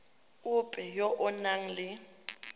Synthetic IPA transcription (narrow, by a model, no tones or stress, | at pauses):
ʊpʼɛjɔʔʊnaŋ̩lɪ